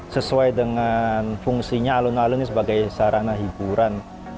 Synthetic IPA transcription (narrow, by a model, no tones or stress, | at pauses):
səsuajdəŋanfuŋsiɲaːlunlalunisəbaɡajsaɾʔanaɦibuɾan